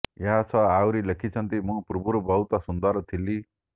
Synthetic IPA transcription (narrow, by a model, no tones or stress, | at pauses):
jaat͡sʰʌawɾilekʰit͡sʰʌnt̪imũpurbuɾbʌwt̪asund̪ʌɾt̪ʰilːi